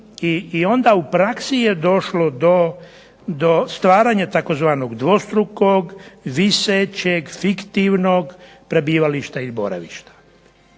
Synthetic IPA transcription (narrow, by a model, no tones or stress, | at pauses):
iːo̞nd̪aupɾaksijed̪o̞ʃlo̞d̪o̞ | d̪o̞st̪ʋaːɾaːɲat̪ako̞zʋaːnoɡd̪ʋo̞st̪ɾukoɡʋiset͡ɕeɡfikt̪iʋnoːɡ | pɾebiːʋaliʃt̪ailibo̰ɾa̰ʋḭʃt̪ḁ